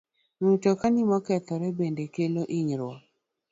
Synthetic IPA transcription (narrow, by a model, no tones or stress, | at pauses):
nutɔkanimɔkɛt̪ɔɾɛbendekeloʔiɲɾwɔ